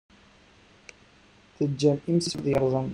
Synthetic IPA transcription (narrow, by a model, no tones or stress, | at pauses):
θəd͡ʒːæmimsəbðˤjəɾˤðˤən